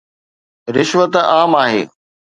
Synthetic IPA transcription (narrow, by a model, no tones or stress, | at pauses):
ɾɪʃʋət̪aːmaːɦḛː